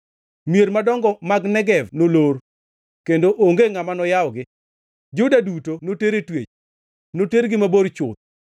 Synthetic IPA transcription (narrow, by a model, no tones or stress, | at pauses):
mieɾmadɔŋɡɔmaɡnɛɡɛvnoloɾ | kendoʔoŋɡeŋamanɔjaɔɡɪ | d͡ʒʊdadutonoteɾetwet͡ʃ | noteɾɡɪmaboɾt͡ʃʊ̰t̪̚